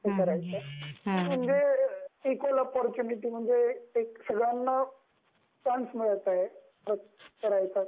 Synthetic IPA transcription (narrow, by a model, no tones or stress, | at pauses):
ekəɾajt͡sam̤əɳd͡zeikolɔpɔɾt͡ɕuniʈiːm̤əɳd͡zeːksəɡɭjanːa | ʈansmiɭat̪aɦe | pɾət̪kəɾajt͡sa